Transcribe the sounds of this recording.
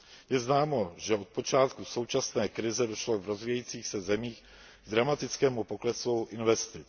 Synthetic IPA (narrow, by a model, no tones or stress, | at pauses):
jɛznaːmo̞ʒɛo̞t̪̚po̞t͡ʃaːt̪kuso̞wt͡ʃasnɛːkɾɪzɛdo̞ʃlovɾozviːjɛiːt͡siːxsɛzɛmiːx | ɡd̪ɾamat̪ɪt͡skɛːmupo̞klɛsuʔɪnvɛst̪ɪ